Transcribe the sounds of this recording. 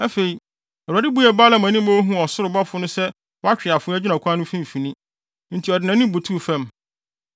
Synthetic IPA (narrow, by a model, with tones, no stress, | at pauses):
æ˦fe˨i˨ | ɛ˨a˨dɪ˦bu˦ɛ˨baː˦la˦˨mã˨˦nĩ˦mo˦ɦũ˦˨ɔ˨sʊ˦ɾʊ˨ba˦fʊ˨˦nʊ̃˦sɛ˦ | wɔ˦a˦t͡ɕᶣɪ˨a˨fʊ̃˦ɛ˦d͡ʑᶣɪ˦nã˨kʰʷã˦nʊ̃˦fĩ˦m̩˨fi˨nĩ˦ | n̩˦tʰi˨ɔ˨dɪ˨nã˨nɪ̃˦bu˨tʰu˦˨fɛ̃˦˨m